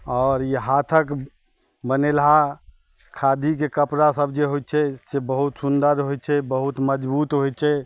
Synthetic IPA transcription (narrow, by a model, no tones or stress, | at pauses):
ɔːɾiɦat̪ʰək | bənelɦa | kʰad̪ʱikekəpɾasəbd͡ʒeɦojt̪t͡ʃʰɛsebəɦut̪sund̪əɾɦojt͡ʃʰɛbəɦut̪məd͡ʒbuːt̪ɦoj̚t͡ʃʰɛ